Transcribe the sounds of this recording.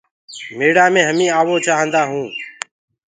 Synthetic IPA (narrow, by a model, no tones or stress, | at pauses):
meːɽaːmẽːɦəmĩːaːʋoːt͡ʃaːɦə̃ːnd̪aːɦũː